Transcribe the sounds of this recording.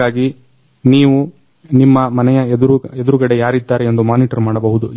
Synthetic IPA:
aːɡi | niːʋu | nimːɐmɐnɛjɐd̪uɾued̪uɾuɡɐɽe̞jaːɾid̪ːaːɾeend̪umaːniʈɐɾmaːɽɐbɐɦud̪u

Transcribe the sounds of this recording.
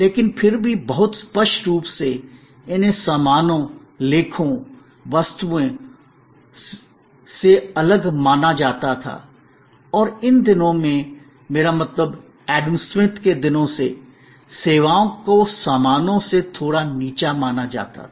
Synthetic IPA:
leːkɪnpʰɪɾbʱibɐɦʊt̪spəsʈɾuːpse | ɪnɦesaːmaːnõ | leːkʰõ | ʋəst̪uẽ | seɐləɡmaːnad͡ʒaːt̪at̪ʰa̰ː | ɔːɾɪnd̪ɪnõmẽ | meːɾamɐt̪ləb | ɛːɖəmswɪ̃t̪ked̪ɪnõsḛ | seːʋaːõkosaːmaːnõset̪ʰoːɽaniːt͡ʃamaːnad͡ʒa̰ːt̪a̰

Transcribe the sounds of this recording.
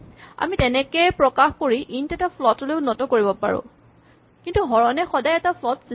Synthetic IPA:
a̰mitɛnɛkejpɹɔkaxkoɹiʔintɛtapʰlɔtɔleʊnɔtɔkoɹibɔpa̰ɹʊ̰̃ | kintuɦɔɹɔnɛxɔdajɛtapʰlɔtsi

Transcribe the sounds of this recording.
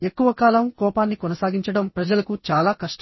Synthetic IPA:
e̞kːuʋɐkaːlɐmkɔːpaːnːikɔnɐsaːɡiɲt͡ʃɐɽɐmpɾɐd͡ʒɐlɐkut͡ʃaːlaːkɐʂʈ

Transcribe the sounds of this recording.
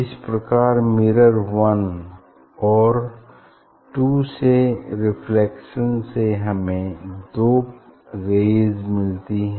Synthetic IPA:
ɪspɾəkaːɾmɪɾəɾʋɐn | ɔːɾ | ʈuːseɾɪpʰlɛːkʃənseɦɐmẽd̪oːp | ɾeːzmɪlt̪iɦɛ̃

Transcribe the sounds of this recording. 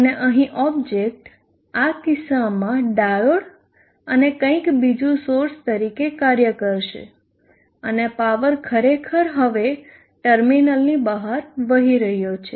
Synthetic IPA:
əneʔəɦĩʔɔb̚d͡ʒek̚ʈ | akɪsamãɖajoɽ | ənekə̃ĩkbid͡ʒũsoɾst̪əɾikekaɾjəkəɾʃḛ | ənepaʋəɾkʰəɾekʰəɾɦəʋe | ʈəɾminəlnibəɦaɾʋəɦiɾəɦjot͡ʃʰe

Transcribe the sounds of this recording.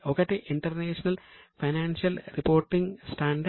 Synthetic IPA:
oːkːeːʈːeʔiɳʈɐrneːʂɐnɐlfɐjnaːnʂɐlripo̞ːrʈːiŋɡsʈaːɳɖɐ

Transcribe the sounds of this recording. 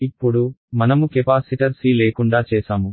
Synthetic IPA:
ipːuɽumɐnɐmukepaːsiʈɐɾsiːleːkuɳɖaːt͡ʃɛːsaːmu

